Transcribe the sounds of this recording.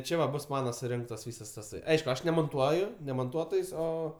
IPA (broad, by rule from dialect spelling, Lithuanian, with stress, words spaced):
ˈt͡ʃʲɛ ʋɐ ˈbʊs ˈmɑːnɐ sʊˈrʲɪŋktɐs ˈʋʲiːsɐs tɐˈsɐɪ ˈɐɪʃkʊ ˈɐʃ nʲɛmoːnˈtuɔjʊ nʲɛ moːnˈtuɔtoːjsʲ ˈoː